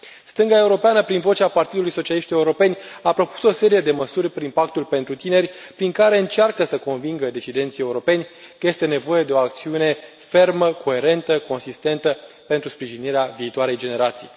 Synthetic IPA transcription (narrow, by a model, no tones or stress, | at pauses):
st̪ɨŋɡae̞uɾo̞peanəpɾinvo̞t͡ʃapart̪id̪ulujso̞t͡ʃialiʃt̪je̞uɾo̞pe̞nʲapɾo̞pu̥so̞se̞ɾije̞d̪e̞məsurʲpɾimpak̚t̪ulpe̞nt̪ɾut̪ine̞rʲpɾiŋkaɾe̞ɨnt͡ʃarkəsəko̞nviŋɡəd̪et͡ʃid̪e̞nt̪sije̞uɾo̞pe̞nʲkəje̞st̪e̞ne̞vo̞je̞d̪e̞o̞ak̚t̪siune̞ | fe̞rməkʰo̞e̞ɾe̞nt̪əko̞nsist̪e̞nt̪ə | pe̞nt̪ɾuspɾiʒiniɾeaviːt̪oaɾe̞jd͡ʒe̞ne̞ɾat̪sij